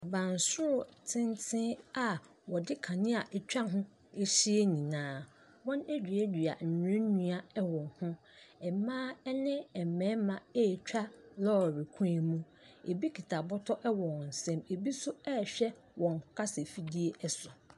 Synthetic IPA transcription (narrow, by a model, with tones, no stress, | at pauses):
a˨bã˨n˨sʊ˦ɾʊ˨tʰɪ̃˦ntʰɪ̃˦a˨ | wɔ˨dɪ˦kʰã˨nɪ̃˦a˨ʔɛ˨t͡ɕᶣa˦ɦʊ̃˦ | e˦ɕi˦e˦nĩ˨nãː˨˦ | wɔ̃˦ne˦d͡ʑᶣɥɛ˦dᶣi˨a̰˨n̩˨ɾẽ˦nũ˦a˨ɛ˦wɔ̃˨hʊ̃˦ | ɛ˨mãː˦ɛ˦nɪ̃˦ɛ˨mɛ̃˨˦mã˨e˦˨t͡ɕᶣa˦lɔː˦˨ɾi˨kʰũ˦e˨mũ˦ | e˨bi˦kʰi˨tʰa˨bɔ˦tʰɔ˦ʔɛ˦wɔ̃˨n̩˨sɛ̃˦me˨bi˦sʊ˦ɛ˦˨ɕᶣɛ˦ | wɔ̃˨ŋ˨ʊ˨kʰa˦se˨fi˦di˦e˦ʔɛ˦sʊ˨